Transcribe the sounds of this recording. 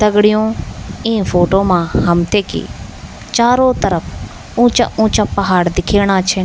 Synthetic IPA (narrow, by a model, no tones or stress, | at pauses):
t̪ɐɡɽɪjõːɪ̃ːfʰoːʈoːmãːɦɐmt̪ʰeːkḭ | t͡ʃaːɾoːt̪əɾəpʰ | ʊ̃ːt͡ʃa̰ũːt͡ʃapɐɦaːɽd̪ɪkʰeːɽ̃ãːt͡ʃʰe